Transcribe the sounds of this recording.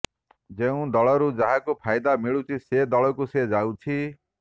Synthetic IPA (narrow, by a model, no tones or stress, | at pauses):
d͡ʒeũd̪ɔɭɔɾud͡ʒaɦakupʰajd̪amiɭut͡ʃʰised̪ɔɭɔkused͡ʒawt͡ʃʰi